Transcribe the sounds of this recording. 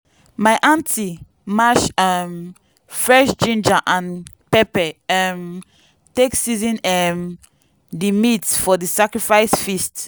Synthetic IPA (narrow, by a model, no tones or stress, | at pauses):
maɪʔãntʰi | maʃam | fɹɛʃd͡ʒĩnd͡ʒaʔãn | pɛpɛam | teksizĩnɛm | dimitsfɔdisakɹifaɪsfist